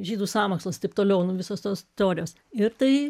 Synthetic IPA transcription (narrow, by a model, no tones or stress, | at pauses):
ʒʲiːd̪uːsɑːmoːkslˠoːst̪ɐɪp̚t̪oːlʲɛʊnʊʋʲɪsoːst̪oːst̪ʲɛoːɾʲɪjoːs | ɪɾt̪ɐɪ